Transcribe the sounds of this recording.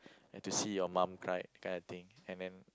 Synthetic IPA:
ɛ̃ntusijɔmãmkʰɹaɪ̰t̚kʰãjndət̪ĩŋɛ̃ndɛ̃n

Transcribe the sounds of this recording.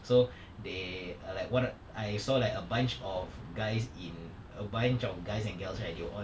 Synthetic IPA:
so | delaɪkwɔt | aɪsɔlaɪkəbãnt͡ʃɔfɡaɪsĩn | əbãnt͡ʃɔfɡaɪsɛ̃nɡɛlslak̚dewəʔɔ̃

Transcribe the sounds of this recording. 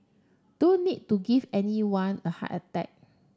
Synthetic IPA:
d̥õnːid̚tuɡivɛniwãnəha̰tətɛ̰k̚

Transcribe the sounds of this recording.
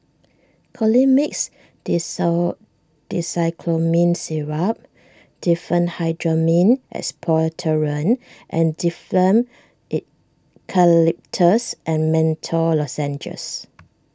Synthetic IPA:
kʰɔlimiks | d | d̥isajkʰlomĩnsiɹap̚ | d̥ifɹə̃nhaɪdɹəmĩnʔɛ̰spʰɔtʰəɹə̃nʔɛ̰̃ndifləm | it̚ | kʰalip̚tʰəsʔɛ̃nmɛ̃ntʰəlɔsɛ̃nd͡ʒə̰s

